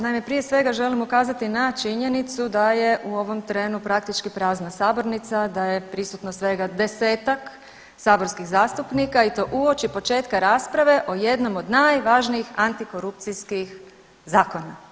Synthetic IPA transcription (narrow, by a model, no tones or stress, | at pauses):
najme̞pɾije̞sʋe̞ɡaʒe̞limukaːzat̪inat͡ʃiɲe̞nit̪sud̪aje̞ʔuo̞ʋo̞mt̪ɾe̞ːnupɾak̚t̪it͡ʃkipɾaːznasaːbo̞ɾnit̪sad̪aje̞pɾisut̪nosʋe̞ɡad̪e̞seːt̪ak | saːboɾskiɣzaːst̪upnikait̪o̞ʔuo̞t͡ʃipo̞t͡ʃe̞ːt̪kaɾaːspɾaʋe̞ʔoje̞d̪no̞mo̞d̪naːjʋaʒniixant̪iko̞ɾupt̪siskix | zaːko̞na